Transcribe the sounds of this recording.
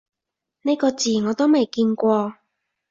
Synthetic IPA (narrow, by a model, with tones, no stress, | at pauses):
ne˥kɔː˧t͡siː˨˩ŋɔː˨˧t̪o˥wme˨jkiː˧nkʷɔː˧